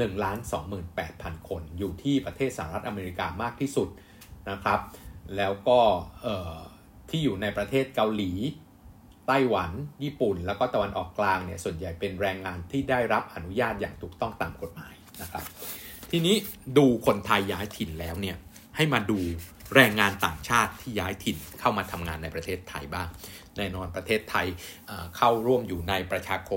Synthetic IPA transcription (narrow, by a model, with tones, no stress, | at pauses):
nɯ˨˩ŋlaː˦˥nsɔː˩˦ŋmɯː˨˩npɛː˨˩t̪̚pʰa˧nkʰo˧njuː˨˩t̪ʰiː˥˩pɾa˧t̪ʰeː˥˩t̪̚saː˧˩a˧ɾa˦˥t̪̚ʔa˧meː˧ɾi˧kaː˧maː˥˩k̚t̪ʰiː˥˩su˨˩t̪̚ | na˦˥kʰɾa˦˥p̚lɛː˦˥wkɔː˥˩ʔɤː˨˩ | t̪ʰiː˥˩juː˨˩na˧jpɾa˧t̪ʰeː˥˩t̪̚ka˧wliː˩˦ | t̪a˥˩jwa˩˦njiː˥˩pu˨˩nlɛː˦˥wkɔː˥˩t̪a˧wa˧nʔɔː˨˩kːlaː˧ŋni˥˩ɐsu˨˩ənja˨˩jpe˧nɾɛː˧ŋːaː˧nt̪ʰiː˥˩daː˥˩jɾa˦˥p̚ʔa˧nu˦˥jaː˥˩t̪̚ja̰ː˨˩ŋt̪ʰuː˨˩k̚t̪ɔ˥˩ŋt̪aː˨˩mko˨˩t̪̚ma̰ː˩˦jna˦˥kʰɾa˦˥p̚ | t̪ʰiː˧niː˦˥duː˧kʰo˧nt̪ʰa˧jːaː˦˥jt̪ʰi˨˩nlɛː˦˥wni˥˩ɐ | ha˥˩jmaː˧duː˧ɾɛː˧ŋːaː˧nt̪a̰ː˨˩ŋt͡ɕʰaː˥˩t̪ʰːiː˥˩jaː˦˥jt̪ʰi˨˩nkʰa˥˩wmaː˧t̪ʰa˧mŋaː˧nːa˧jpɾa˧t̪ʰeː˥˩t̪ʰːa̰˧jbaː˥˩ŋnɛː˧nɔː˧npɾa˧t̪ʰeː˥˩t̪ʰːa˧jʔaː˨˩kʰa˥˩wɾu˥˩əmjuː˨˩na˧jpɾa˧t͡ɕʰaː˧kʰo˧